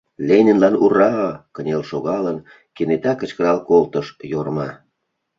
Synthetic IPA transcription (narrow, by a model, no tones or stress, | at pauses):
lʲenʲə̆nlɑnurɑəkənʲelʃoɣɑlən | kenet̪ɑkə̆t͡ɕkəɾɑlkolt̪əʃjormɑ